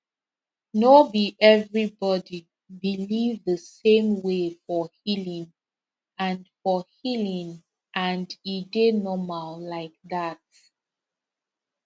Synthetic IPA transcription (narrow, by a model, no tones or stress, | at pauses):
nobiʔɛvɹibɔdi | bilivðəsẽmwefɔhilĩŋ | ãnfɔhilĩŋ | ʔãndidenɔmallaɪk̚ðat̚